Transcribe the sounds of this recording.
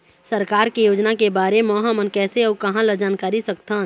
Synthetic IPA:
səɾkaːɾkijoːd͡ʒnakebaːɾemɔːɦãmənkɛːseɔkɐɦãləd͡ʒaːnkaːɾisəkt̪aːn

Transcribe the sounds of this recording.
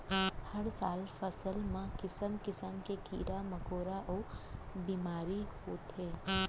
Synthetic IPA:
həɾsaːlfʰəsəlmãkɪsəmkɪsəmkekḭːɾaməkoːɾaʔɔːbiːmaːɾiɦoːt̪ɦeː

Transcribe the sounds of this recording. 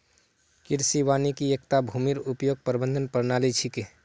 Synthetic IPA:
kɪɾsiwaːnikiek̚t̪abʱumiɾupjoːɡ̚pəɾbə̃nd̪ʱənpəɾnaːlit͡ʃʰiki

